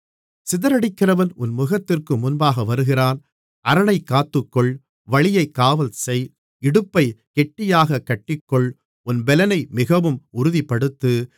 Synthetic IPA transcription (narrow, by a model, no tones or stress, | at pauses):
sɪðɐɾɐɽɪkːɪrɐʋɐnʊnmʊɣɐt̪ːɪrkɯmʊnbaːɣɐʋɐɾɯɣɪɾaːn | ɐɾɐɳɐɪkːaːt̪ːɯkːɔɭ | ʋɐɭɪjɐɪkːaːʋɐlsɛj | ɪɽɯpːɐɪkɛʈːɪjaːɣɐkːɐʈːɪkːɔɭ | ʊnbɛlɐnɐɪmɪɣɐʋɯmʊɾʊðipːɐɽɯt̪ːɯ